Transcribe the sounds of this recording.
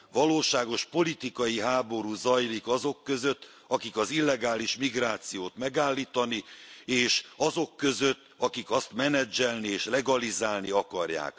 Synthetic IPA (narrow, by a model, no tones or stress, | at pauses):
ʋɒloːʃaːɡo̞ʃpo̞lit̪ikɒjiɦaːbo̞ɾuːzɒjlikɒzo̞kːø̞zø̞t̪ː | ɒkikɒzilːɛɡaːliʃmiɡraːt̪sijoːt̪mɛɡaːlːiːt̪ɒnieːʃɒzo̞kːø̞zøt̪ːɒkikɒst̪mɛnɛd͡ʒɛlnieːʃlɛɡɒlizaːlniɒkɒrja̰ːk